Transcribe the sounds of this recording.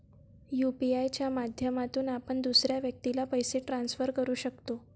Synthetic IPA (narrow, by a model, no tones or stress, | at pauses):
jupiajt͡ɕjamad̪ʱjəmat̪uːnapəɳd̪usɾjaʋjək̚t̪ilapəjseʈɾansfəɾkəɾuːɕəkt̪o